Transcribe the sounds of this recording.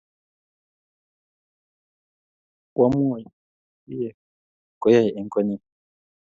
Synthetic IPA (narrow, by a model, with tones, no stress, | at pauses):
kʼwa˦m˦ɔ˦˨ja˨˦ | jɛ˨ | kɔ˨˦ja˦˨jɛ˨i˨ŋkʼɔ˦ni˦˨